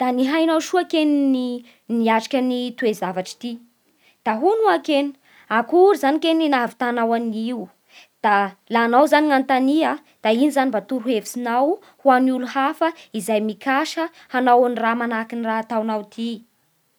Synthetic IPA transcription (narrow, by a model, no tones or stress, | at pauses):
d̪̥aniɦajnawʃuakenini | niaʈ͡ʂḁkʲənit̪uezavaʈ͡ʂi̥t̪i | d̪̥aɦunuaken̥ | akuɾizanikeninavit̪anawaniu | d̪̥alanawzaniŋant̪ania | d̪̥ainizanimbat̪uɾuevisinaw | huanuluhafəizajmikaʃə | hanawanramanakiniraat̪awnawt̪ʰi